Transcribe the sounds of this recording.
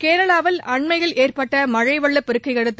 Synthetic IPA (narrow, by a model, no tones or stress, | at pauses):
keːɾɐɭaːʋɐlʔɐɳmɐɪɣɐɭʔeːrpɐʈːɐmɐɻɐɪʋɐɭːɐpːɪɾɯkːɐɪkɐɽɯt̪ː